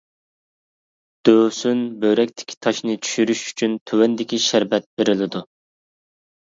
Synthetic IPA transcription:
d̪̥øːsynbøɾɛk̚ʲt̪ʰɪ̥kʲʰi̥t̪ʰɑʃnɨt͡ʃʰy̥ʃyɾyʃy̥t͡ʃʰynt̪ʰøwɛnd̪ɪkʲiʃæɾbɛt̪̚beɾɪlɪd̪u

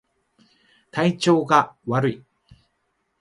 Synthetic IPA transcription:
t̪ʰait͡ɕo̞ːɡaβaɾɯ̟i

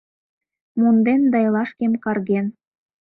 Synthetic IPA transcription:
mund̪end̪ɑjlɑʃkemkɑrɣen

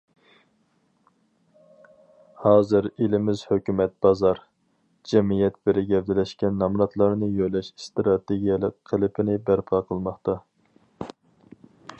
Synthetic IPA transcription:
hɑːzɨɾelɪmɪzhøkʲymɛt̪̚b̥ɑzɑɾ | d͡ʒɛmijɛt̪̚b̥ɪɾɪɡʲɛvd̪ɪlɛʃkʲɛnːɑmɾɑt̪ʰlˠɑɾnɨjøjlɛʃst̪ɾɑt̪eɡʲijɛlˠɨk̚ʲqʰːəlˠɪpʰɪnɪbæɾpʰɑqʰəlˠmɑχt̪ɑ

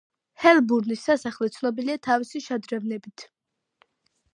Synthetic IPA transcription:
hɛlbuɾnisːasaχlit̪sʰnɔbiliat̪ʰavisiʃad̪ɾɛvnɛbit̪ʰ

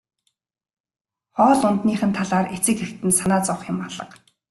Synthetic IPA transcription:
χɔːɮʊnt̪niːχɘ̆nt̪ʰaɮaːret͡sɘ̆kxekt̪ɘ̆nsanaːt͡sɔwχjʊ̆mɔɮə̰̆q

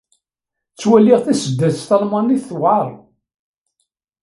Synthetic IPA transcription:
t͡sːwæliʁθæsəd̪ːæðsθɑlmɑniθθwɑɾˤ

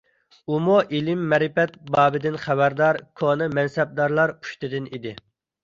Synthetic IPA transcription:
umuʔilɪmːɛɾɪpɛt̪̚bɑːbɪd̪ɪnχæbæɾd̪ɑɾkʰonɨmɛnsɛb̚d̪ɑɾlˠɑɾpʰu̥ʃt̪ɨd̪ɪnid̪ɪ

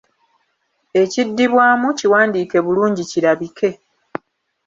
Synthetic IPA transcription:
e̞cidːiβwaːmuciwaːndiːke̞βuluːɲɟiciɾaβikʰe̞

